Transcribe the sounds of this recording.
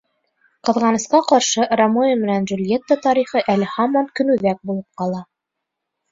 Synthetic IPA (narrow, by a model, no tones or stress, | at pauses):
qɤ̆ðʁɑnɤ̆sqɑqɑɾʃɤʔrɐmojʲəmɘ̆nænʒulʲjet̪ːət̪ɑɾiχɤʔælɘhɑmɑŋkɵ̆nʉðæk̚bulˠɤp̚qɑlˠɑ